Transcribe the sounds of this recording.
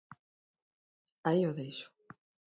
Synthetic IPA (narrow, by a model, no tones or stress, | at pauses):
aioðejʃʊ̥